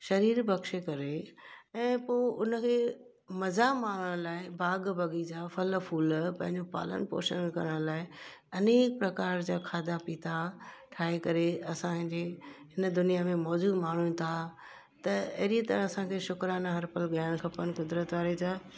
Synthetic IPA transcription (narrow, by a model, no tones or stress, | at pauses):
ʃɐɾiːɾbɐkʃekɐɾeɛ̃ːpoːʔʊnəkʰeː | mɐzamaːɳ̤əɽ̃laːɪbaːɡbʱɐɡid͡ʑaːfɐlfuːlpɐ̃ɦɪ̃ɲd͡ʑopa̰ːlə̰npo̰ːʃə̰nkɐ̰ɾəɽ̃laːɪɐneːk̚pɾɐkaːɾd͡ʑaːkʰaːd̪apiːt̪ʰaʈʰaːɦekɐɾeɐsãd͡ʑeːɦɪnəd̪ʊnijamẽmɔːd͡ʑuːd̪maːɳ̤uĩt̪ʰa | t̪ɐɐɦɾiet̪ɐɾə̃ɐsãkʰeːʃʊkɾaːnaɦɐɾpəlɠɐjɽ̃kʰɐpənkʊd̪ɾət̪ʋaːɾed͡ʑaː